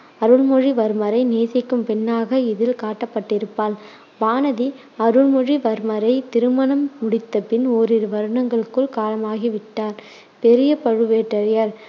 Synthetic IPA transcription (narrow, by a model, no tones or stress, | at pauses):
ɐɾɯɭmɔɻiʋɐɾɯmɐɾɐɪneːsɐkːɯmpɛnːaːɣɐɪðɪlkaːʈːɐpːɐʈːɪɾɯpːaːl | baːnɐði | ɐɾɯɭmɔɻiʋɐɾɯmɐɾɐɪt̪ɪɾɯmɐɳɐmːʊɽɪt̪ːɐpɪnoːɾɪɾʋɐɾɯɳɐŋɡɐɭɯkːɯɭkaːlɐmaːɣiʋɪʈːaːɾ | pɛɾɪjɐpɐɻɯʋeːʈːɐɾɪjɐɾ